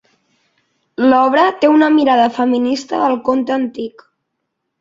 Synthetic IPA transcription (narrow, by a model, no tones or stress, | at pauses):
lɔβ̞ɾət̪eunəmiɾaðəfəminist̪əːlˠkont̪əənt̪ik